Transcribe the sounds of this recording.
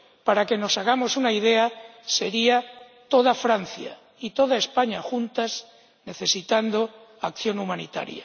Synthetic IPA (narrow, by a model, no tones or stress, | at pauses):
paɾake̞no̞saɣ̞amo̞sunaið̞ease̞ɾia | t̪o̞ð̞afɾan̟θja̰ | it̪o̞ðae̞spaɲaxunt̪as | ne̞θe̞sit̪and̪oakθjo̞numanḭt̪a̰ɾja̰